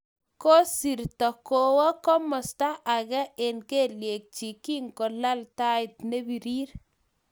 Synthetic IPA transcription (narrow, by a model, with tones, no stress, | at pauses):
ko˦si˨ɾtɔ˨ko˨wɔ˦kɔ˦mɔ˨sta˦ʔa˨ɣɛ˦ʔe˨nke˦lje˨k̚t͡ʃi˨ki˦ŋko˨la˦lta˦ɪ˨tne˦bi˨ɾiː˦ɾ